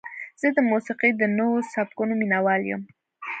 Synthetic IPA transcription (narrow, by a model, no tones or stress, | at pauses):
z̥əd̪əmusiqid̪ənowosap̚kunominawɑljə̰m